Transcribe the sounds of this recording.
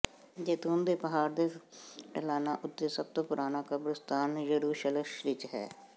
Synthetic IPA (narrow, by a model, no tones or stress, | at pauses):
d͡ʒeːt̪uːnd̪eːpəɦaːɾd̪eːʈəlaːnaːʔʊt̪ːeːsəb̚t̪õːpʊɾʔaːnaːkəbɾəst̪aːnjəɾuːʃələʃʋɪt͡ʃɦɛ̰ː